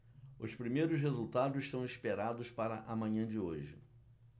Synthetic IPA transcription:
ʊspɾimejɾʊs̬ɦezuwt̪ad̪ʊzɪʃt̪ɐ̃w̃ispeɾad̪ʊspaɾɐʔɐmɐ̃ɲɐ̃d͡ʒɪoʒɪ̰

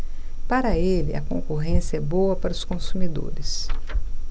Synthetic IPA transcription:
paɾɐelɪ̰ɐ̰kõ̰ŋkoɦẽsiɛbowɐpaɾʊskõsumid̪o̰ɾɪs

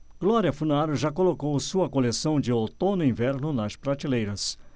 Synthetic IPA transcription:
ɡ̥lɔɾiɐfunaɾʊʒakolokowsuɐkolesɐ̃w̃d͡ʒɪot̪õnʊĩvɛɾnʊnɐspɾat͡ʃilejɾɐs

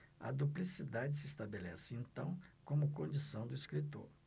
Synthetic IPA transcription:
ɐ̰d̪uplisid̪ad͡ʒɪsɪist̪abelɛsɪẽnt̪ɐ̃w̃kõmʊkõnd͡ʒisɐ̃w̃d̪ʊiskɾit̪o̰ɾ

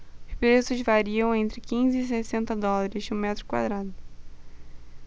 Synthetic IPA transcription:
ʊʃpɾesʊzvaɾiɐ̃w̃ẽnt̪ɾɪkĩzɪːsesẽnt̪ɐd̪ɔlaɾɪzʊmɛt̪ɾʊkwa̰d̪ɾad̪ʊ

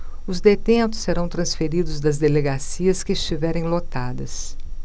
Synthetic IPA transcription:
ʊzd̪et̪ẽnt̪ʊ̥seɾɐ̃w̃t̪ɾɐ̃sfeɾid̪ʊzd̪ɐzd̪eleɡasiɐskɪɪst͡ʃivɛɾẽj̃lot̪ad̪ɐs

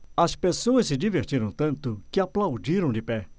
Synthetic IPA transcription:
ɐspesoɐssɪd͡ʒiveɾt͡ʃiɾɐ̃w̃t̪ɐ̃nt̪ʊkɪaplawd͡ʒiɾɐ̃w̃d͡ʒɪpɛ

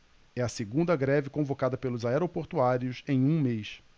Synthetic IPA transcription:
ɛɐseɡũnd̪ɐɡɾɛvɪkõvokad̪ɐpelʊzaɛɾopoɾt̪uaɾiʊsẽj̃ũmejs

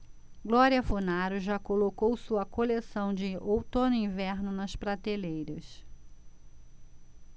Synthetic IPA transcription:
ɡlɔɾiɐfunaɾʊʒakolokowsuɐkolesɐ̃w̃d͡ʒɪowt̪õnʊĩvɛɾnʊnɐspɾat̪elejɾɐs

